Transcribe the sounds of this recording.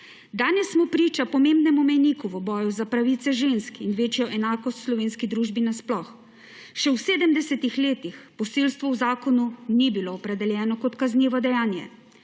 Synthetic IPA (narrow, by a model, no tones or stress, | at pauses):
d̪aːnɛsːmɔpɾiːt͡ʃapɔmembnɛmumɛjnikuʋəbɔːjuzapɾaʋit̪sɛʒeːnskinʋeːt͡ʃjɔʔɛnaːkɔst̪slɔʋeːnskid̪ɾuːʒbinasplɔx | ʃɛwseːd̪əmd̪ɛsɛt̪ixleːt̪ixpɔseːlst̪ʋɔwzaːkɔnunibiloːpɾɛd̪ɛljɛːnɔkɔt̪kazniːʋɔd̪ɛjaːnjɛ̰